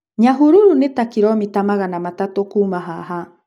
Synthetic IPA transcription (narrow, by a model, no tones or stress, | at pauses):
ɲaɦuɾuɾunetakiɾɔmitamaɣanamatatokumaɦa̰ɦa